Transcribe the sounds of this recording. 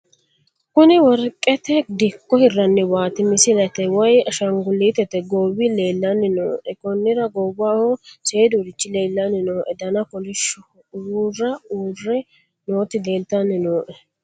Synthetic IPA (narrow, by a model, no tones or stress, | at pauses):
kʊnɪwɔɾkʼːɛt̪ɛd̪ɪkːɔhɪrːɐnːɛwaːt̪ɪmɪsɪlɐt̪ɛwɐjɐʃɐŋɡʊliːt̪ɛt̪ɛɡoːβɪle̞ːlːɐnːɪnoːʔɛkɔnːɪɾɐɡɔwahose̞ːd̪ʊɾɪt͡ʃːɪle̞ːlːɐnːɪnoːʔɛd̪ɐnɐkɔlɪʃʊ | urːɐuːrːɛ | noːt̪ɪle̞ːlt̪ɐnːɪnoːʔɛ